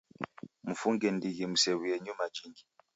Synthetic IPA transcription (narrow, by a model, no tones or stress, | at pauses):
m̩fuŋɡɛndiɣimusɛwiɛɲumad͡ʒiŋɡi